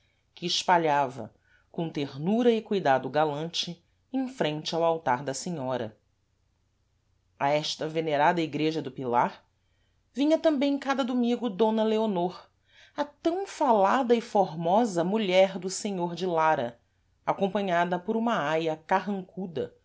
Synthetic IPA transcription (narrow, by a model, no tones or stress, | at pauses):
kɪːʃpaʎavɐ̰ | kõt̪eɾnuɾɐɪkujd̪ad̪ʊɡalɐ̃nt͡ʃɪ | ẽj̃fɾẽnt͡ʃɪawawt̪aɾd̪ɐsẽɲɔɾɐ̰ | aɛʃt̪ɐveneɾad̪ɐiɡɾeʒɐd̪ʊpilaɾ | vĩɲɐt̪ɐ̃mbẽj̃kad̪ɐd̪umĩɡʊd̪õnɐleonoɾ | ɐt̪ɐ̃w̃falad̪ɐɪfoɾmɔzɐmuʎɛɾd̪ʊseɲoɾd͡ʒɪlaɾɐ | akõmpɐ̃ɲad̪ɐpʊɾũmɐajɐkaɦɐ̃ŋkud̪ɐ